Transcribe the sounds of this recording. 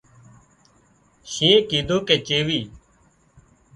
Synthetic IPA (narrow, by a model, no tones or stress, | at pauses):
ʃĩːẽːkiːd̪ʱoːkeːt͡ʃeːʋiː